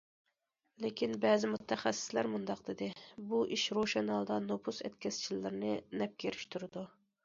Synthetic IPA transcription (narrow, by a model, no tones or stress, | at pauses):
lɪkʲʰinbɛːzɪmut̪ʰːɛχɛsːɪ̥slæɾmund̪ɑqd̪ɪd̪ɪbuʔiʃɾoʃɛnɑlˠd̪ɑnopʰusɛt̪kʲʰɛst͡ʃʰilːɪɾɪnɪnɛp̚kʲeɾyʃt̪ʰuɾɨd̪u